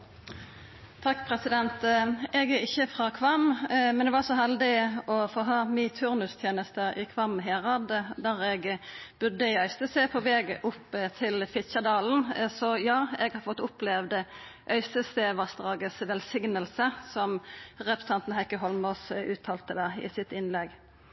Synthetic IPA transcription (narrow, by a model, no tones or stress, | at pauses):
t̪ʰɑkːpʰʁɛsɪd̪ɛnt̪ɛɡæɪçːəfʁɑkʰʋɑmmɛnd̪ɛʋɑʁsɔɦɛld̪ɪɔfoːɦɑːmɪt̪ʰʉʁnʉst̪ʰjeːnəst̪əɪ̰kʰʋɑmɦeːʁɑd̪d̪æʁɛɡb̥ʉd̪ːəɪœʏst̪əseːpʰɔʋɛːɡəʔʊpːt̪ʰɪlfɪçəd̪ɑːln̩sɔjɑːɛɡhɑɾfɔt̪ːʊplɛʋd̪ə | ʔœʏst̪əseːʋɑsd̪ʁɑːɡəsʋɛlsɪŋnəlsəsɔmʁɛpʰʁəsə̥t̪ɑnt̪n̩hɛkːəɦɔlmɔsʉːt̪ʰɑːlt̪əd̪æʁɪ̰sɪt̪ɪnlɛɡ